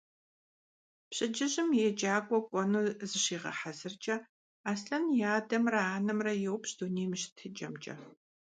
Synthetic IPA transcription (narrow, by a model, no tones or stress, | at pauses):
pɕʼɪd͡ʒɪʑɪmjɛd͡ʒaːkʷʼɔkʷʼɔnuːzɨɕiːʁɐ̰ħazɨrt͡ʃʼɐ | aːsɬɐnjaːdɐmrɐaːnɐmrɐjɛwpɕd̥uneːjmɨɕɪ̥tʰɨd͡ʒɐmt͡ʃʼɐ̰